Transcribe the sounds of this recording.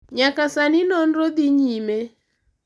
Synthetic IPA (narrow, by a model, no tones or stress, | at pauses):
ɲakasaninɔndɔd̪iɲimɛ